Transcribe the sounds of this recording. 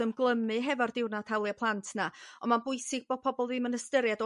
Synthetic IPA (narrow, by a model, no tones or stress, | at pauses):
əmɡlˠəmɨɦɛvardɪwnatʰawlˠjapʰlˠantʰnaɔmabʊɨsɪɡ̚b̥oːd̚pʰɔbɔlˠvɨːmənəstəɾjadɔ